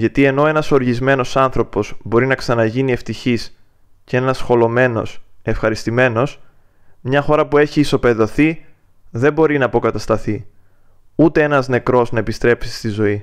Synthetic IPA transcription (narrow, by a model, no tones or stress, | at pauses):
ʝɐt̪ie̞no̞e̞nɐso̞ɾʝizme̞no̞sɐnθɾo̞po̞zbo̞ɾinɐksɐnɐʝinie̞ft̪içis | ceenɐsxo̞lo̞me̞no̞̰se̞fxɐɾist̪ime̞no̞s | mɲɐxo̞ɾɐpue̞çiːso̞pe̞ðo̞θi | ðe̞mbo̞ɾinɐːpo̞kɐt̪ɐst̪ɐθi | ut̪e̞e̞nɐzne̞kɾo̞znɐepist̪ɾe̞psi̥st̪izo̞i